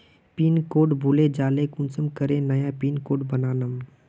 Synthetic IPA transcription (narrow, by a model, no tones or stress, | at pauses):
piːnkoːʈbʱuled͡ʒaːlekʊnsəmkəɾenɐjapiːnkoːʈbənaːnəm